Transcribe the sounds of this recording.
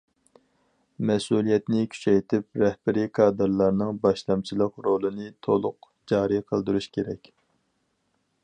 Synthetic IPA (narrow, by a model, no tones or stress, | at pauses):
mɛsulˠijɛt̪nɪkʲʰy̥t͡ʃʰɛjt̪ʰɪp̚ɾɛhb̥ɪɾikʰɑːd̪ɨɾlˠɑɾnɨŋbɑʃlˠɑmt͡ʃʰilˠəqɾolˠɨnɨt̪ʰolˠʊq | d͡ʒɑːɾɨjqʰəlˠd̪uɾuʃkʲʰeɾɛkʲ